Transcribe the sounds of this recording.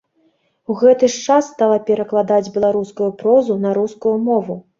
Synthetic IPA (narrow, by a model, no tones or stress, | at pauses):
uɣɛt̪ɨʂt͡ʂasːt̪alˠɐpʲɛɾɐklˠad̪ad͡zʲbʲɛlˠaɾuskujupɾɔzunɐɾuskujumɔvu